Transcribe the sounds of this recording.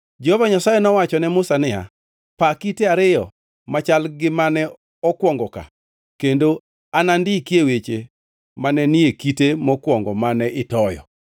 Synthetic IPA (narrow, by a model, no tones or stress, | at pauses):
d͡ʒehovaɲasajenɔwat͡ʃɔnɛmʊsanɪa̰ | pakiteaɾɪjɔ̰ | mat͡ʃalɡɪmanɛ | ɔkwɔŋɡɔka̰ | kendo | anandɪkjewet͡ʃe | manɛniekitemɔkwɔŋɡɔmanɛʔɪtɔjɔ̰